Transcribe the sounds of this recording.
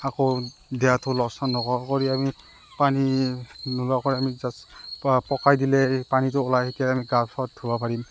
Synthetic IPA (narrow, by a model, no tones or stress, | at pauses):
akɔdɛjatʊlɔsanːɔkɔkɔɹiami | paninulakɔɹiamizaspɔkajdilɛpanitʊɔlajhikɛamiɡabsɔt̚dʰʱubapʰaɹim